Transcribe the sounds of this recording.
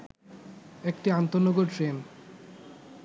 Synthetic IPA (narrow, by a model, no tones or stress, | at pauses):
ekʈiant̪oɾnːoɡoʈʈɾen